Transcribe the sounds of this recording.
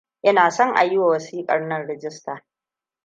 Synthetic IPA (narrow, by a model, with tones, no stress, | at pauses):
ʔɐ˦naː˨sɔ˦ŋʔa̰˨jɪ˦waː˨wɐ˨siː˦kʼɐ̰˨rnɐ˦nɽɛ˨d͡ʒɪ˦staː˨